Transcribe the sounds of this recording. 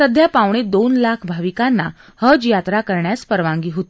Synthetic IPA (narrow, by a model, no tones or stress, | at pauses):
səd̪ʱjapaʋɳed̪onlakʰbʱaʋikanːa | həd͡ʑjat̪ɾakəɾɳjaspəɾʋãŋɡiːɦot̪i